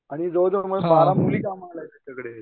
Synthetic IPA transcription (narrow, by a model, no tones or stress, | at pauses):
aɽ̃id͡zod͡zoməmalamulikamaɽlat̪at̪akəɽe